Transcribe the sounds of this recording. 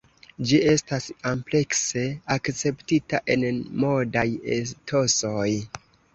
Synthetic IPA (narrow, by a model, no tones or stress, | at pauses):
d͡ʒie̞stasomple̞kse̞akt͡se̞ptitaʔe̞nmo̞dajestʰo̞so̞j